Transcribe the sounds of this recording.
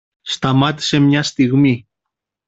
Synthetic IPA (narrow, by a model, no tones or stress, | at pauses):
st̪amat̪semɲast̪iɣmi